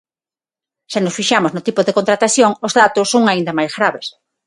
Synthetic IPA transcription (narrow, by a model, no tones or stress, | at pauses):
ʃanosfiʃamoznot̪ipoðekont̪ɾat̪aθjoŋozðat̪osːoŋaind̪ɐmajzɣɾaβes